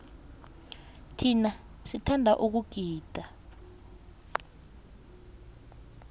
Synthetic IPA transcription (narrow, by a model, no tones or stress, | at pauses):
tʰinasitʰandʱaʔuk̬uɡ̥ʱiːd̥ʱa